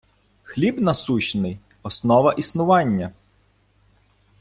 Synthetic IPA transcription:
xlʲibnɐsuɕnɪj | ɔsnɔʋɐʔisnʊʋɑnʲːɐ

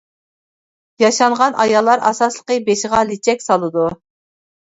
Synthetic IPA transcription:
jɑʃɑɴʁɑnʔɑjɑlˠːɑɾɑ̰sɑslˠəqəbeʃʁɑlit͡ʃʰɛkʲsɑlˠɨd̪u

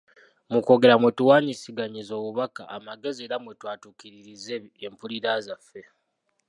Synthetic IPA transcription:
muko̞ɡe̞ɾamwe̞tuwaːɲisiɡaɲizo̞ːβuβaka̰ʔːmaɡe̞zeːɾamwe̞twaːtukiɾiɾizeːmpuliɾazafːe̞

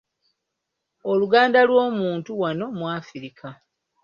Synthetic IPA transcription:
oluɡaːndalwoːmuːntuwano̞mwaːfiɾikʰa

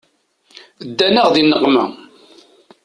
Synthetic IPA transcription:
d̪ːænæʁðinːəqːmə̰

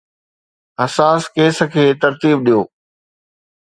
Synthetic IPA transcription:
ɦɐsaːskeːs̆kʰeːt̪ɐɾt̪iːb̚ɗijoː

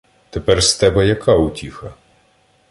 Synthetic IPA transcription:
t̪epɛrst̪ɛbɛjɐkʰautʲixɐ

